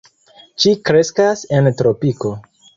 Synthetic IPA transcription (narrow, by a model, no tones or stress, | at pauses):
t͡ʃikɾe̞skase̞ntɾo̞piko̞